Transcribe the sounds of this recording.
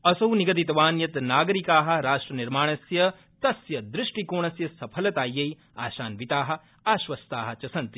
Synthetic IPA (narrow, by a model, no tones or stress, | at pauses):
ɐsɐwniɡɐt̪̬it̪ɐʋaːnjɐt̪naːɡɐɾikaːɦɐ̆ɾaːʂʈɾɐniɾmaːɳ̃ɐsjɐ | t̪ɐsjɐd̪ɾɪʂʈikoːɳ̃ɐsjɐsɐpʰɐlɐt̪aːjːɐj | a̰ːʃaːnʋit̪aːɦɐ̆ | aːʃʋɐst̪aːɦɐ̆t͡ʃɐsɐnt̪i